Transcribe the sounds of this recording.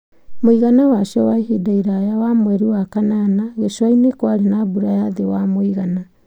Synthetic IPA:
moiɣanawaʃɔwaiɦidaiɾajawamwɛɾiwakananaɣeʃwainekwaɾenabuɾajaðewamoiɣana

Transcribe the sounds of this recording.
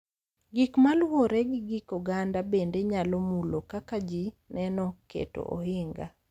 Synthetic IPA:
ɡikmalwoɾɛɡɪɡikɔɡandabendeɲalɔmulokakad͡ʒinɛnɔkḛto̰ʔo̰hɪŋɡa̰

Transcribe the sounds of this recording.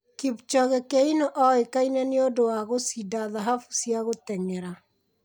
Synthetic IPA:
kibt͡ʃɔɣekeinoʔɔekainɛneodowaɣosidaðaɦafu̥siaɣotɛŋɛɾa

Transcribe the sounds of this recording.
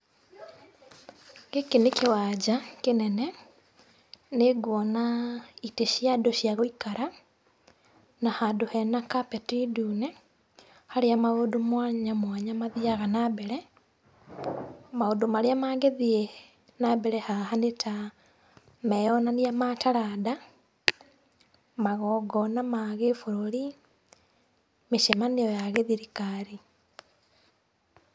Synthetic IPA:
ɡekenekewad͡ʑakenɛnɛ | neɡwɔnaiteʃjadoɕjaɣoikaɾa | nahadohɛnakapɛtidunɛ | haɾeamaodomwaɲamwaɲamaðiaɣanabɛɾɛ | maodomaɾeamaɡeðie | nabɛɾɛhahanetʰa | mɛjɔnanijamataɾada | maɣɔɡɔnamaɣefoɾoɾi | meʃemanejɔjaɣeðiɾikaɾi

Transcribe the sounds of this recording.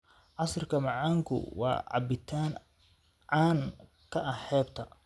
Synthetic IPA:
ʕɑsrkʰɐmɑʕɑːŋkʰʊ̰wɑ̰ːʕɑ̰bɪt̪ʰaːn | ʕaːn | kʰɐʔɐħɛːbt̪ʰɐ

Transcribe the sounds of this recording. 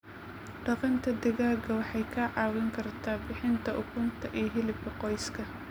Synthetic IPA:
ɖɑqɑnt̪ʰɐd̪ɪɣaːɡɐwɑħɑjkʰɐʕɑːwɛŋkʰɐrt̪ʰaːbɪħɪnt̪ʰɐʔʊkʰʊnt̪ʰɐʔijɦɪlɪb̚kʰɐqɔjskʰɐ

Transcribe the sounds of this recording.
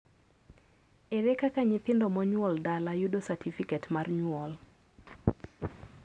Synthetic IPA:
eɾekakaɲɪt̪ɪndɔmɔɲwɔldalajudosatʰifiketmarɲwɔl

